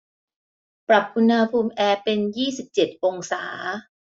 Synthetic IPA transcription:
pɾa˨˩p̚ʔu˧nha˧pʰuː˧mʔɛː˧pe˧njiː˥˩si˨˩p̚t͡ɕe˨˩t̪̚ʔo˧ŋsaː˩˦

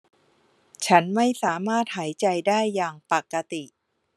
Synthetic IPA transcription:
t͡ɕʰa˦˥nma˥˩jsaː˩˦maː˥˩t̪̚haː˩˦jt͡ɕa˧jdaː˥˩jːaː˨˩ŋpa˨˩kːa˧t̪i˨˩ʔ

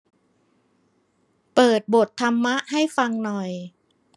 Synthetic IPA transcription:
pɤː˨˩t̪̚bo˨˩t̪ʰːa˧mːa˦˥ʔha˥˩jfa˧ŋnɔ˨˩j

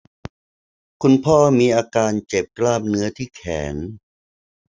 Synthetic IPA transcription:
kʰu˧npʰɔː˥˩miː˧ʔaː˧kaː˧nt͡ɕe˨˩p̚klaː˥˩p̚nɯ˦˥ɐt̪ʰiː˥˩kʰɛː˩˦n

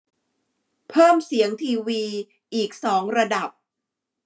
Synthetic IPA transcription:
pʰɤː˥˩msi˩˦əŋt̪ʰiː˧wiː˧ | ʔiː˨˩k̚sɔː˩˦ŋɾa˧da˨˩p̚

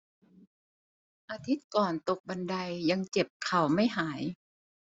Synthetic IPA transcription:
ʔaː˧t̪ʰi˦˥t̪̚kɔː˨˩nt̪o˨˩k̚ba˧nda˧jːa˧ŋt͡ɕe˨˩p̚kʰa˨˩wma˥˩jɦaː˩˦j

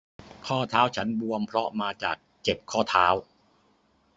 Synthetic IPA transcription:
kʰɔː˥˩t̪ʰaː˦˥wt͡ɕʰa˦˥nbu˧əmpʰɾɔ˦˥maː˧t͡ɕa̰ː˨˩k̚t͡ɕe˨˩p̚kʰɔː˥˩t̪ʰaː˦˥w

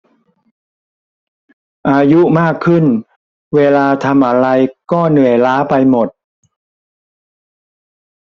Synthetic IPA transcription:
ʔaː˧ju˦˥maː˥˩kʰːɯ˥˩n | weː˧laː˧t̪ʰa˧mʔa˧ɾa˧jkɔː˥˩nɯ˨˩əjlaː˦˥pa˧jmo˨˩t̪̚

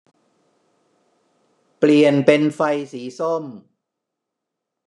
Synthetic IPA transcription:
pli˨˩ənpe˧nfa˧jsiː˩˦so˥˩m

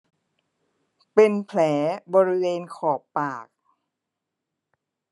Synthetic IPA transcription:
pe˧npʰlɛː˩˦bɔː˧ɾi˦˥weː˧nkʰɔː˨˩ppaː˨˩k̚

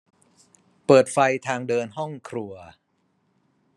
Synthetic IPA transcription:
pɤː˨˩t̪̚fa˧jt̪ʰaː˧ŋdɤː˧nɦɔ˥˩ŋkʰɾu˧ɐ

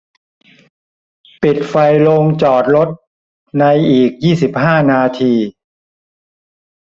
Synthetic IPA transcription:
pi˨˩t̪̚fa˧jlo˧ŋt͡ɕɔː˨˩t̪̚lo˦˥t̪̚ | na˧jʔiː˨˩k̚jiː˥˩si˨˩p̚haː˥˩naː˧t̪ʰiː˧

